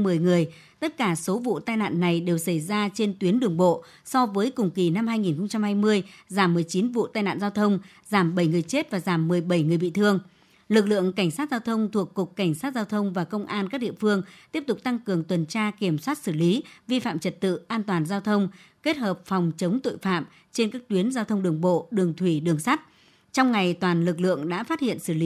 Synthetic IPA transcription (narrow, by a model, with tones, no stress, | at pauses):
mɨ˨˩əjŋɨ˨˩əj | t̪ə˦˥t̚kaː˧˩so˨˦vṵ˧˨t̪aː˧jna̰ː˧˨nːa˨˩jɗe˨˩wsə˧˩jzaː˧t͡ɕe˧nt̪wi˨˦ənɗɨ˨˩əŋɓo̰˧˨ | sɔ˧vəː˨˦jkʊ˨˩ŋ͡mki˨˩na˧mhaː˧jŋi˨˩nxə˧wŋ͡mt͡ɕa˧mhaː˧jmɨ˧əjzaː˧˩mːɨ˨˩əjt͡ɕi˨˦nvṵ˧˨t̪aː˧jna̰ː˧˨nzaː˧wt̪ʰə˧wŋ͡m | zaː˧˩mɓə˧˩jŋɨ˨˩əjt͡ɕe˦˥t̚vaː˨˩zaː˧˩mːɨ˨˩əjɓə˧˩jŋɨ˨˩əjɓḭ˧˨t̪ʰɨ˧əŋ | lɨ˨˩k̚lɨ̰˧˨əŋka˧˩jŋ̟saː˦˥t̚zaː˧wt̪ʰə˧wŋ͡mt̪ʰu˨˩əkːʊ˨˩k͡p̚ka˧˩jŋ̟saː˦˥t̚zaː˧wt̪ʰə˧wŋ͡mvaː˨˩kə˧wŋ͡mʔaː˧nkaː˦˥k̚ɗḭ˧˨əfɨ˧əŋt̪i˦˥əp̚t̪ʊ˨˩k͡p̚t̪a˧ŋkɨ˨˩əŋt̪wə˨˩nt͡ɕaː˧ki˧˩əmswa˦˥t̚sɨ˧˩li˨˦vi˧fa̰ː˧˨mt͡ɕə˨˩t̚t̪ɨ̰˧˨ʔaː˧nt̪waː˨˩nzaː˧wt̪ʰə˧wŋ͡mke˦˥t̚həː˨˩p̚fɔ˨˩wŋ͡mt͡ɕə˨˦wŋ͡mt̪o̰˧˨jfa̰ː˧˨m | t͡ɕe˧nkaː˦˥k̚t̪wi˨˦ənzaː˧wt̪ʰə˧wŋ͡mɗɨ˨˩əŋɓo̰˧˨ɗɨ˨˩əŋt̪ʰwi˧˩ɗɨ˨˩əŋsa˦˥t̚ | t͡ɕɔ˧wŋ͡mŋa˨˩jt̪waː˨˩nlɨ˨˩k̬̚lɨ̰˧˨əŋɗa̰ː˧˥faː˦˥t̚hḭ˧˨ənsɨ˧˩li˨˦